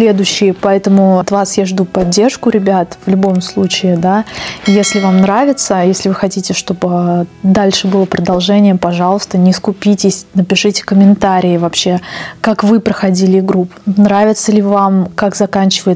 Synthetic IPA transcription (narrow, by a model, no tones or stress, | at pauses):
sʲlʲe̞d̪ʊɕːɪjəpɐɛt̪əmʊɐt̪vasjaʐd̪upɐdʲːe̞rʂkʊɾʲɪbʲat̪v̥lʲʊbo̞mslˠut͡ɕɪɪd̪ajesʲlʲɪvamnɾavʲɪt̪səjesʲlʲɪvɨxɐtʲitʲɪʂt̪o̞bɨd̪alʲʂɨbɨlˠəpɾəd̪ɐlˠʐɛnʲɪjəpɐʐɑlˠəst̪ənʲɪskʊpʲitʲɪsʲnəpʲɪʂɨtʲɪ̥kəmʲɪnt̪aɾʲɪɪvɐpɕːe̞kakvɨpɾəxɐdʲilʲɪɡɾupnɾavʲɪt̪səlʲɪvamkakzɐkanʲt͡ɕɪvəjɪt̪